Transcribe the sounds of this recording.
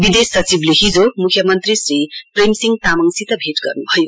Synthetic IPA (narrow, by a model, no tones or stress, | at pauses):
bid̪esːʌt͡sibleɦid͡zomukʰjʌmʌnt̪risripremsiŋɡt̪amʌŋsit̪ʌbʱeʈɡʌ̰rnubʱʌjo